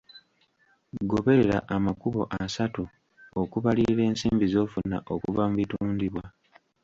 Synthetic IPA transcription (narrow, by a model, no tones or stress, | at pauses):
ɡo̞βe̞ɾeɾa̰ʔamakuβo̞̰ʔasatu | okuβaliɾiɾe̞ːnsiːmbizo̞ːfunːa̰ʔo̞kuvamuβituːndiβwa